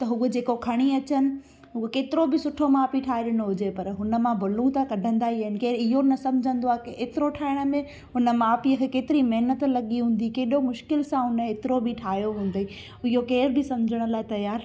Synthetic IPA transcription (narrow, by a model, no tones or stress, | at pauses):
t̪ɐɦʊəd͡ʑeːkokʰɐɽ̃iɐt͡ɕənɪ̆ | ɦʊəkeːt̪ɪɾobɪsʊʈʰomaːpiʈʰaːɦɪɗɪɽ̃oɦʊd͡ʑepɐɾɦʊnə̆mãbʱʊlũt̪ʰakɐɖʱə̃nd̪aːiaɦɪnɪ̆keːɾɪɦonɐsɐ̃md͡ʑʱə̃nd̪oaːkkeːt̪ɪɾoʈʰaːɪɽ̃mẽ | ɦʊnəmãːpiəkʰekeːt̪ɪɾimɐɦnət̪lɐɠiɦũːn̆d̪ikeːɗomʊʃkɪlsãɦʊnəeːt̪ɪɾobɪʈʰaːjoɦũːn̆d̪e | ʊɪɦjokeːɾbɪsɐ̃md͡ʑʱəɽ̃ə̆laːɪt̪ɐjaːɾ